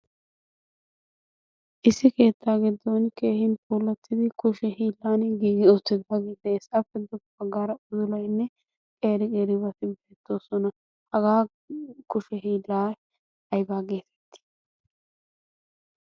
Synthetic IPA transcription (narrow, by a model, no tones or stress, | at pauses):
ʔɪsːɪke̞ːt̪ːaːɡɪd̪ːɔnke̞ːhɪnpʰʼuːlːɐt̪ʰːɪd̪ɪkʊʃɛɦiːlːaːnɡiːɡɪoːt̪ːɪd̪aɡɪd̪ɛːsɐfːɛd̪ʊ | ɐɡːaːɾɐʊzʊlɐjnːɛ | kʼe̞ːɾɪkʼeːɾɪβɐt̪ɪbeːt̪ːo̞ːsɔnɐ | hɐɡaː | kʊʃɛɦiːlːaː | ɐjbaːɡeːt̪ʰɛ̥t̪ːɪ̥